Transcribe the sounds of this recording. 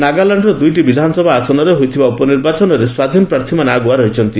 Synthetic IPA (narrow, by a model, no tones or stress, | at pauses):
naɡalaɳɖɾɔd̪ujʈibid̪ʱanɔsɔbʱaasɔnɔɾeɦojt̪ʰibaɔpɔniɾbat͡ʃɔnɔɾeswad̪ʱinɔpɾaɾt̪ʰimaneaɡuaɾɔɦit͡ʃʰɔnt̪i